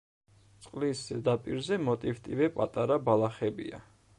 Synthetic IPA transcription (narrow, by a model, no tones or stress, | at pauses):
t̪sʼqʼliszɛd̪apʼiɾzɛmɔt̪ʼift̪ʼivɛpʼat̪ʼaɾabalˠaχɛbḭa̰